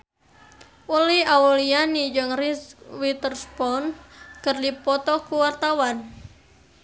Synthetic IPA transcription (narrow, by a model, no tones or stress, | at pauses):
ʔuliaulianid͡ʒɨŋriwit̪ərspɔnkərdipɔt̪ɔkuwart̪awan